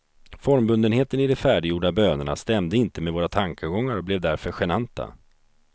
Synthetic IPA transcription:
fɔɾmbɵnd̪ənheːt̪ənɪd̪ɛfæːɖɪjuːɖabøːnəɳa̰st̪ɛmd̪əɪnt̪əmɛvoːɾat̪ʰaŋkʰəɡɔŋːaɾɔblɛvd̪æɾfœɾɧɛnant̪ʰa̰

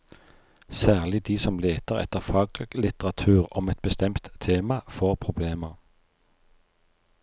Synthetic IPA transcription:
sæːʁlɪd̪iːsɔmleːt̪əʁɛ̰t̪əʁfɑːɡlɡlɪt̪əʁɑt̪ʰʉːʁɔmɛt̪̚bəst̪ɛmt̪ʰːeːmɑfoːʁpʰʁʊbleːməʁ

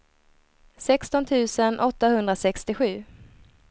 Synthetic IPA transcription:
sɛkst̪ɔnt̪ʰʉ̟ːsənʔɔt̪ːahɵnd̪ɾasɛkst̪ɪɧʉ̟ː

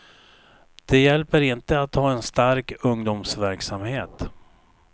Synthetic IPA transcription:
d̪̥ɛjɛlpəɾɪnt̪əat̪hɑːɛnst̪aɾkɵŋd̪uːmsvæɾksamheːt̪

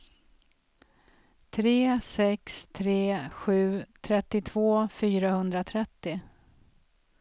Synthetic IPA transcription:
t̪ʰɾeːsɛkst̪ʰɾeːɧʉ̟ːt̪ʰɾɛt̪ːɪt̪ʰv̥oːfyːɾahɵnd̪ɾat̪ʰɾɛt̪ːɪ

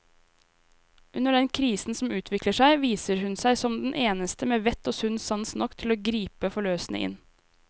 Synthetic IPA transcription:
ʉnəɖɛnkʰɾiːsn̩sɔmʉːt̪ʰʋɪkləʂæɪʋiːsəɾhʉnsæɪsɔmd̪n̩ʔeːnəst̪əmeːʋɛt̪oːsʉnsɑnsnɔkt̪ʰɪloːɡɾiːpəfɔɭøːsnə̰ʔɪ̰n

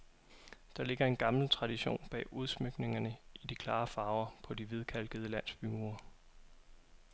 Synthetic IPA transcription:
d̥ɑ̈le̝ɡ̥ɐe̝nɡ̥ɑ̈ml̩t͡sʰʁɑ̈d̥iɕo̝̰ːnb̥ɛ̰ːʔuð̞ˠsmøɡ̥ne̝ŋɐnəʔid̥ikʰlɑ̈ːfɑ̈ːʊɐpʰɒ̽d̥iʋið̞ˠkʰæl̰ɡ̥əð̞̩ˠəlæn̰sb̥ymuɐ

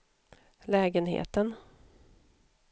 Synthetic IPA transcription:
lɛːɡənhḛːt̪ən

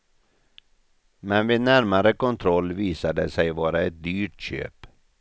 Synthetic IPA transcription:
mɛnʋeːnæɾmaɾəkʊnt̪ʰɾɔlʋiːsɑd̪əsæɪʋɑːɾəɛt̪̚d̪yːʈçø̰ːp

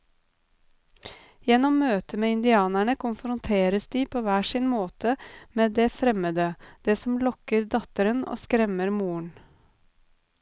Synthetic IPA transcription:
jɛnɔmːøːt̪əmeːɪnd̪ɪɑːnæɳəkʰʊnfɾʊnt̪ʰeːɾəsd̪iːpʰoːʋæːʂɪnmoːt̪ʰəmeːd̪eːfɾɛməd̪əd̪̥eːsɔmlɔkəɾd̪ɑt̪əɾəno̰ːskɾɛməɾmuːəɳ

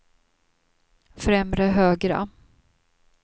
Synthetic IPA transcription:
fɾɛmɾəɦøːɡɾa̰

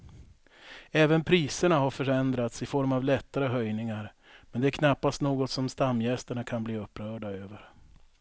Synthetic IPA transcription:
ɛːvənpʰɾiːsəɳaɦaɾfœɾɛnd̪ɾat̪sɪfɔɾmavlɛt̪ːaɾəɦœjnɪŋaɾ | mɛnd̪ɛæɾkʰnapːast̪noːɡɔt̪sɔmst̪amːjɛst̪əɳakʰanbliːɵpːɾœːɖaøːvəɾ

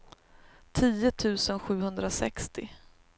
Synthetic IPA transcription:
t̪ʰiːʊt̪ʰʉ̟ːsənɧʉ̟ːhɵnd̪ɾasɛ̰kst̪ɪ

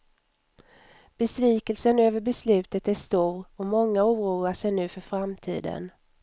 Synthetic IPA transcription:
b̥ɛsviːkəlsənøːvəɾbɛslʉ̟ːt̪ət̪æʂt̪uːɾɔmɔŋːauːɾuːaʂɛjnʉ̟ːfœɾfɾamt̪ʰḭːd̪ə̰n

